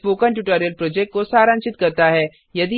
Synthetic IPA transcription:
foːkə̃ɳʈuːʈoːɾijəlpɾoːd͡ʒɛk̚ʈ̚kosaːɾə̃nt͡ʃɪt̪kɐɾt̪aɦɛː | jɐd̪i

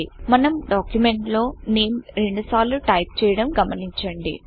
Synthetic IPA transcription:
imɐnɐmɖaːkjume̞ɳʈlo̞ːne̞ːmɾe̞ɳɖusaːluʈɐjp̚t͡ʃɛːjɐɽɐmɡɐmɐniɲt͡ʃɐɳɖḭ

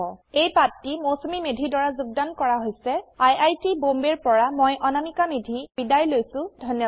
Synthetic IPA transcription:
ɔejpatːimosomimedʱidɔɹazuɡ̚dankɔɹaɦojsɛajajtibombeɹpɔɹamɔjʔɔnanikamedʱibidajlojsʊ̃dʱɔnjɔ

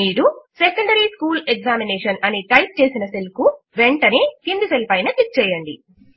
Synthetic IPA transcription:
iːɾusekɐɳɖɐɾiskuːleɡzaːmineːʂɐnɐniʈɐjp̚t͡ʃe̞ːsinɐselku | ʋe̞ɳʈɐnit̪ind̪iselpɐjnɐkik̚t͡ʃɛːjɐɳɖḭ

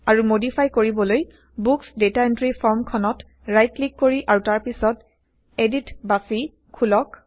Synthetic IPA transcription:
aɹumodipʰajkoɹibɔloj | buksdetaentɹipʰɔɹmkʰɔnɔt | ɹajtlikːoɹiʔaɹutaɹpisɔt | editbasi | kʰulɔk

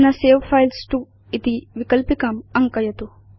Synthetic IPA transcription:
nɐseːʋfʰajlsʈu | it̪iʋikɐlpikɐmɐŋkɐjɐt̪u

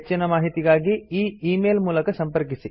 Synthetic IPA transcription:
t͡ʃːinɐmaːɦit̪iɡaːɡiiːiːmeːlmuːlɐkɐsɐmpɐɾkisi

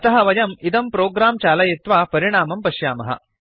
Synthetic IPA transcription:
ɐt̪ɐɦɐʋɐjɐmid̪ɐmpɾoːɡɾaːmt͡ʃaːlɐjit̪ʋaːpɐɾiɽ̃aːmɐmpɐʃjaːmɐɦɐ̰

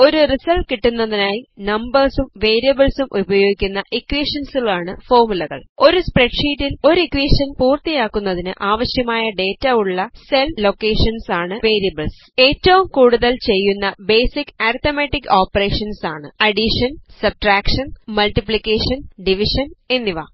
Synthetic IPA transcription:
o̞ɾurisɐlʈkiʈːunːɐðinaːjinɐmbɐrsumʋe̞ːɾijɐbɐɭsumʔubɐjoːɡikʲːunːɐʔikːʋiːʂɐnsiɭaːɳɨfo̞ːrmulɐɣɐ̰ɭo̞ɾuspreɖʂiːtːilo̞ɾikʋiːʂɐnpuːrt̪ijaːkːunːɐðinɨ̰ʔaːʋɐɕjɐmaːjɐɖe̞ːtːɐuɭːɐselːo̞kːeːʂɐnsaːɳɨʋe̞ːɾijɐbɐɭs | e̞ːtːɐʋumkuːɽuðɐlt͡ɕe̞jːunːɐbe̞ːsikːaːɾt̪omeʈːikːoːpːɐre̞ːʂɐnsa̰ːɳɨɐɖiʂɐnsɐb̚ʈraːkʂɐnmɐlʈːiplikːeːʂɐnɖiʋiʂɐne̞nːiʋa̰ː

